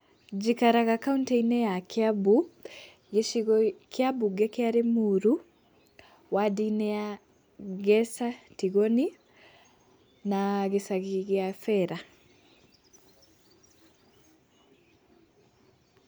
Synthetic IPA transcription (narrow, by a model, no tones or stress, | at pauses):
d͡ʒikaɾaɣakauntɛinɛjakjabu | ɡeʃiɣɔkʰjabuɡɛkeaɾemuɾu | wadinɛja | ɣɛsatiɣɔni | naɣesaɣiɣjafɛɾa